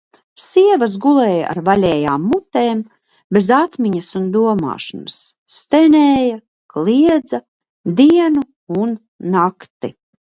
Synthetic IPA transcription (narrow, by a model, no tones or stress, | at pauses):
siɛvɐsɡulˠɛːja̰ʔa̰ɾvalʲɛːjaːmːut̪eːm | bezat̪mʲiɲɐsund̪uɔma̰ːʃɔ̰nasː | t̪enʲeːja | kliɛd̪za | d̪iɛnu | unː | akt̪ḭ